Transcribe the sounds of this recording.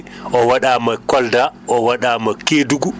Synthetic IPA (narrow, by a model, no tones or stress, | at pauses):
ʔɔwaɗaːmakɔldaʔɔwaɗaːmakeːduɡu